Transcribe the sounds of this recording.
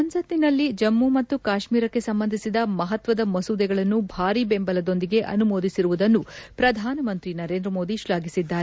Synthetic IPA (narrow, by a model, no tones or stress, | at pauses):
ɐnsɐt̪ninɐlːid͡ʒɐmːumɐt̪ːukaːʃmiːɾɐkːe̞sɐmbɐnd̪ʱisid̪ɐmɐɦɐt̪ʋɐd̪ɐmɐsud̪ɛɡɐɭɐnːubʱaːɾibembɐlɐd̪o̞nd̪iɡe̞ʔɐ̰numoːd̪isiɾuʋud̪ɐnːupɾɐd̪ʱaːnɐmɐnt̪ɾinɐɾe̞ːnd̪ɾɐmo̞ːd̪iʃlaːɡisid̪ːaːɾe